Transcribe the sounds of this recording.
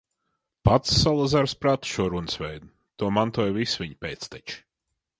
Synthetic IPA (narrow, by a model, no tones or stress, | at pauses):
pat̪sːalˠazaɾspɾat̪u̥ʃuɔɾunɨsvʲɛjd̪u | t̪uɔmant̪uɔjvisvʲiɲpʲeːt̪st̪ɛt͡ʃi̥